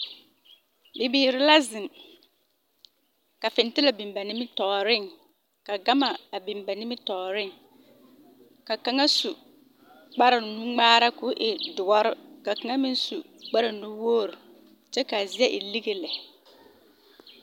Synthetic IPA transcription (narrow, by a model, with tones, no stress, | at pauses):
bɪ˨bɪ˦˨ɾɪ˦la˦zɪ˨ŋ | ka˨fɪ˨n˦tɪ˦la˨bi˨mba˨nɪ˦mɪ˦tɔː˨ɾɪ˦ŋ | ka˨ɡa˦ma˨a˨bi˨mba˨nɪ˦mɪ˦tɔː˨ɾɪ˦ŋ | ka˨ka˦ŋa˦su˨ | k͡pa˦ɾɪ˨nu˦ŋ͡maː˦ɾa˦kʊ˦ʔɪ˨dʊ˨ɔ˦ɾɪ˦ka˨ka˨ŋa˦mɪ̃˦n˦su˨ | k͡pa˦ɾɪ˨nu˦woː˦˨ɾʊ˨ | t͡ʃɛ˦ka˨zɪ˨˦ɛ˦ʔɪ˨li˦ɣe˨lɛ˨